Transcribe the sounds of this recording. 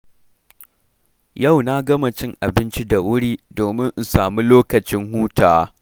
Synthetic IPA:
ja˦˨wna˦ɡɐ˦ma˨t͡ʃɪ˦ŋʔa˨bɪ˦nt͡ʃi˦da˨wʊ˦ɽiː˦doː˨mɪ˦ŋʔ̩˨saː˨mi˦loː˦kɐ˨t͡ʃɪ˦ŋɦuː˦taː˨

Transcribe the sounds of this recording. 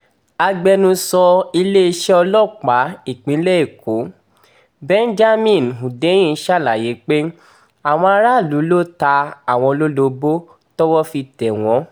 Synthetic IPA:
a˧ɡ͡bɛ˧nũ˧sɔ˧i˧le˦i˧ʃɛ˦ɔ˧lɔ˦˨k͡pa˨˦i˦˨k͡pĩ˨˦lɛ˦i˦˨ko˨˦ | bɛ̃˦n˦d͡ʒa˦mĩ˦˨nɦũ˨de˨˦j̃ĩ˦˧˦ʃa˦˨la˨je˨˦k͡pe˦ | a˨w̃ɔ̃˧a˧ɾa˦˨lu˨˦lo˦ta˧a˨w̃ɔ̃˧lo˦lo˧bo˦ | tɔ˦wɔ˦fi˧tɛ˨w̃ɔ̃˨˦

